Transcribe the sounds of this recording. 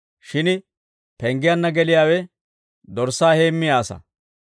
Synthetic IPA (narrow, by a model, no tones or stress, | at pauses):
ʃɪn | pɛŋɡɪjɐnːɐɡɛlɪjaːwɛ | d̪ɔɾsaːheːmːɪjaːsɐ̰